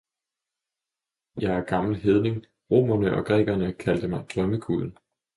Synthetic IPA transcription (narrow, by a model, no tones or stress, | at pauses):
jɑ̈ɪæɐɡ̥ɑ̈ml̩ɦeð̞ˠne̝ŋ | ʁo̝̰ːmɐnəʔɒ̽ɡ̥ʁɛ̰ːɡ̥ɐnəkʰæld̥əmɑ̈ɪd̥ʁɶməkʰuðˠn̩